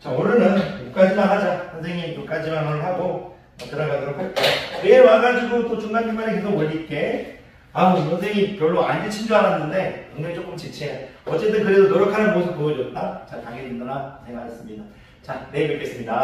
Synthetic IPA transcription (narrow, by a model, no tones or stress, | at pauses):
t͡ɕaunɯnɯnkuk͈ad͡ʑimanɦad͡ʑasʰʌnsʰe̞ŋipuk͈ad͡ʑimanɦaɦaɡo | ʌt͈ɯɾaɡadɯɾokʰak͈enewaɡad͡ʑiɡɯt͈ot͡ɕʰuŋɡandemanekesʰoɡwʌʎːit̚k͈e̞ | amusʰʌns̬ʰe̞ŋikjʌɭːoandɯt͡ɕʰind͡ʑoɦaɾanːɯnde̞ʌŋɲʌŋit͡ɕ͈ok͈ɯmt͡ɕet͡ɕʰeʌt͡ɕ͈e̞t͈ɯnkɯɾedonʌɾʌkʰanɯnmosʰɯpoʌd͡ʑʌt̚t͈at͡ɕataɡedɯndʌɾat͡ɕemas͈ɯmɲida | t͡ɕane̞mek͈es͈ɯmɲida